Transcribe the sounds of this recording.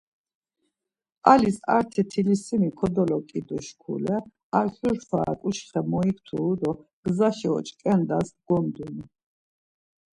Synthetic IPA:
alisa̰ɾt̪ʰɛt̪ʰilisimikʰɔd̪ɔlɔkʼid̪ɔʃkʰṵlɛ | aɾɬuɾχʰwa̰ːkʼuʃχɛmɔikʰt̪ʰuːd̪ɔɡ̥zaʃɛɔ̰t͡ʃʼkʼɛnd̪asɡɔmd̪uni

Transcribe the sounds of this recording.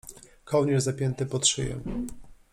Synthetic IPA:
kʰɔwɲɛɾzapʲjɛnt̪ɘpɔt̪ʂɘ̰jɛ̰

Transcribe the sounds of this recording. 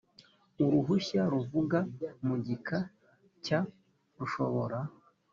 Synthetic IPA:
uɾuɦuçaɾuvuɡamuɟika | ca | ɾuʃo̞βo̞ɾa

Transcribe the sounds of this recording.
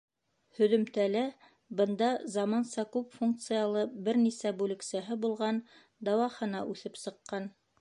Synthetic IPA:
hɵ̆ðɵ̆mt̪ælæ | bɤ̆nd̪ɑzɑmɑnsɑkʉpfuŋk̚t̪sɨjalˠɤbɘɾnisæbʉlɘ̆ksæɦɘbulˠʁɑn | d̪ɑwɑχɤ̆nɑʔʉθɘpsɤ̆qːɑn

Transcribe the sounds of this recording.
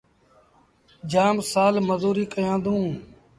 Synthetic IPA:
d͡ʒaːmsaːlməzuːɾiːkəjãːnd̪ũː

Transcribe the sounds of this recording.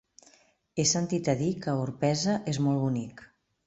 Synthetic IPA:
esənt̪it̪əðikəuɾpɛzəʔezmɔlˠβunik

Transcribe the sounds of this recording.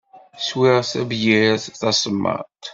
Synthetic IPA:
swɪʁθævjiɾæθθɑsˤəmːə̰ʁt̪

